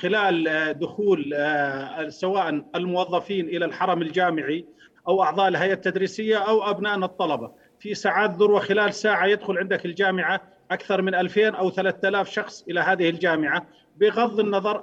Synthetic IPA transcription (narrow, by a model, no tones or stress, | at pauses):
xɪlaːld̪ʊxuːl | sawaːʔanɪlmʊwɑðˤːɑfiːnʔɪlalħɑɾˤɑmɪld͡ʒaːmɪʕi | ʔawʔɑʕd̪ˤɑːʔɪlɦajʔat̪ːad̪ɾiːsɪjːaʔawʔabnaːʔnɨt̪ˤːɑlɑbɑ | fisaːʕaːt̪̚ðʊɾˤwaxɪlaːlsaːʕajɪd̪xʊlʕɪnd̪akɪld͡ʒaːmɪʕa | ʔakθɑɾˤmɪnʔalfeːnʔawθalaːθt̪alaːfʃɑxsˤʔɪlaɦaːðɪhɪld͡ʒaːmɪʕa | bɪɣɑðˤːɪnːɑðˤɑɾˤ